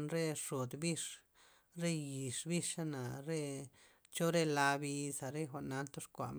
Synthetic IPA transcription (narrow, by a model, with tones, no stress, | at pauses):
nɾe˦ʂo˨d̪bi˦ʂ | ɾe˦ji˨ʂbi˦ʂa˦na˨ɾe˦ | t͡ʃo˦ɾe˦la˧bi˧sa˨ɾe˦xʷa˨ʔna˧nt̪o˦ʂkʷa̰˨ʔm˦